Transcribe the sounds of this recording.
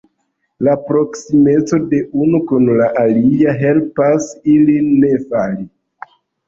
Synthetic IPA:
lapɾo̞ksime̞t͡so̞de̞unukunlaʔaliaɦe̞lpasiliːe̞fali

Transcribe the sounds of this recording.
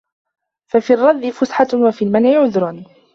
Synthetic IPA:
fafiːrˤːɑd̪ːɪfʊsħawafiːlmanʕɪʕʊðɾˤʊn

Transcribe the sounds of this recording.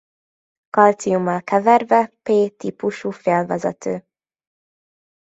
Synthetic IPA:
kɒlt̪sijumːɒlkɛvɛrvɛpeːt̪ipuʃuːfeːlvɛzɛ̰t̪ʰøː

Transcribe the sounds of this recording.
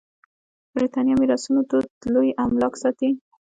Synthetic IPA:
bɾit̪ɑnjɑmiɾɑsunot̪od̪lojamlɑksɑt̪i

